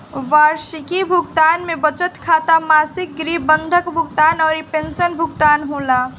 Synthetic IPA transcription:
ʋaːɾʃikibʱʊɡt̪aːnmẽbət͡ʃət̪kʰaːt̪amaːsɪk̚ɡɾiːbə̃nd̪ʱəkbʱʊɡt̪aːnɔːɾipẽnsənbʱʊɡt̪aːnɦoːlaː

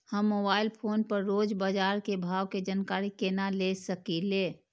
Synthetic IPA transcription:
həmːoːbaːɪlpʰoːnpəɾːoːd͡ʒbad͡ʒaːɾkebʱaːʋked͡ʒənkaːɾikenalesəkileː

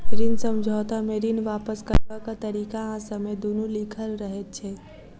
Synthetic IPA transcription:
ɾinsəmd͡ʒʱɔt̪ameɾinʋapəskəɾakat̪əɾikaãsəmed̪onulikʰəlɾəɦɛt̪̚t͡ʃʰɛ

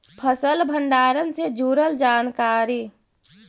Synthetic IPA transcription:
pʰəsəlbʱəɳɖaːɾənsed͡ʒuɾəld͡ʒaːnkaːɾi

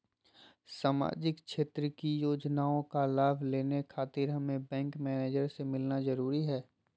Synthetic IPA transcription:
saːma̰ːd͡ʒɪkʃeːt̪ɾəkijoːd͡ʒnaːõkalaːbʱleːnekʰaːt̪ɪɾɦɐmẽbɛ̃ːŋkmɛːneːd͡ʒəɾsemɪlnazɐɾuːɾiɦɛː

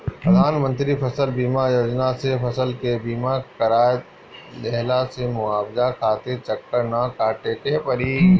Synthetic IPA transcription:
pɾəd̪ʱaːnmə̃nt̪ɾipʰɐsəlbiːmajoːd͡ʒnasepʰɐsəlkebiːmakɐɾaː | lɛɦlasemʊaːbd͡ʒakʰaːt̪ɪɾt͡ʃɐkːəɾnakaːʈeːkepɐɾi

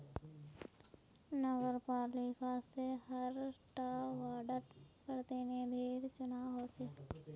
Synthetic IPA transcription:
nəɡəɾpaːɾlikasehəɾʈaːʋaːɖəɾkəɾt̪eneb̪ʱeːɾt͡ʃʊnaɦot͡ʃeː

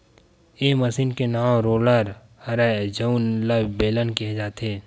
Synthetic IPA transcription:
eːməsiːnkenaːmɾoːləɾ | ɐɾad͡ʒənlabeːlənkiɦed͡ʒaːt̪eː

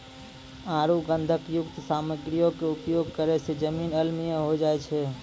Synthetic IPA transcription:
ãɾuɡənd̪ʱəkjʊkt̪saməɡɾijokeupjoɡ̚kəɾɛsed͡ʒəmiːnəlmijə̃ɦod͡ʒaɛt͡ʃʰɛ

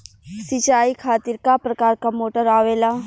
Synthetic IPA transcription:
sit͡ʃaːikʰaːt̪ɪɾkapɾɐkaːɾkamoːʈəɾaːʋeːla

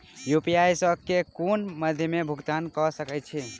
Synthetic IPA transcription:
jupiajsəb̚ʱkekonməd̪ʱjəmebʱuɡt̪ankɔsəkɛt̪t͡ʃʰi

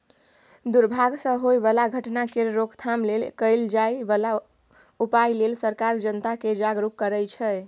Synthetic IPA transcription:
d̪uɾbʱaɡsə̃ɦojbəlaɡʱəʈnakeɾɾokʰt̪ʰamlelkəjld͡ʒajbəla | upajlelsəɾkaɾd͡ʒənt̪aked͡ʒaɡɾukːəɾəjt͡ʃʰɛ

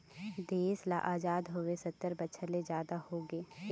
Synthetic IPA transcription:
d̪eːsla̰ʔaːd͡ʒaːd̪ɦoːʋesɐt̪ːəɾbətːʃʰəɾled͡ʒjaːd̪ahoːɡeː

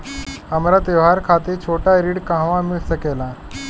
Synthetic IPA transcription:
əmɾat̪eʋɦaɾkʰat̪eɾt͡ɕʰoʈaɾiɽkãɦʋãmiɭsəkela

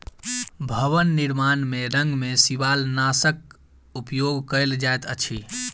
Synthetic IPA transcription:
bʱəʋənːiɾmanmeɾə̃ŋɡmesiʋalnasək̚ | upjoɡkəld͡ʒajt̪ə̰t͡ʃʰi

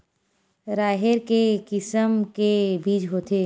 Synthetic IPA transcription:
ɾaːɦeɾkekɪsəmkebiːd͡ʒɦoːt̪ʰeː

